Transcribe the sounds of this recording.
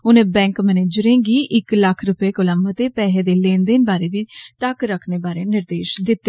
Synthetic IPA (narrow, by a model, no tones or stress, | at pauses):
ʊnẽːbɛ̃ːŋkmɛnẽːd͡ʒʊɾẽːŋɡiːʔɪkləkʰɾʊpeːkʊlamət̪eːpɛːɦeːd̪eːlẽːnd̪eːnbaːɾeːʋiːt̪əkɾəkʰneːbaːɾeːnɪɾd̪eːʃd̪ɪt̪ːe